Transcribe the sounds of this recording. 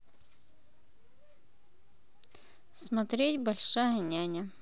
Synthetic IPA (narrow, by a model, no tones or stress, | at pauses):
smɐt̪ɾʲetʲbɐlʲʂajənʲanʲə